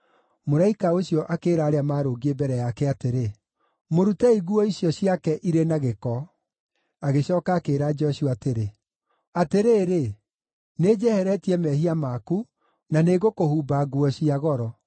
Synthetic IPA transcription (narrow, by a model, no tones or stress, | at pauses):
moɾaikaoɕjɔʔakeːɾaːɾeamaːɾoɡiebɛɾɛjakɛateɾe | moɾutɛiɣuɔiɕjɔɕjakɛʔiɾenaɣekɔ | aɣeɕɔːkaːkeːɾad͡ʒɔɕuateɾe | ateɾeːɾe | neːd͡ʑɛhɛɾɛtiɛmɛhiamaːku | naneːɣokohuːbaɣuɔɕiaɣɔɾɔ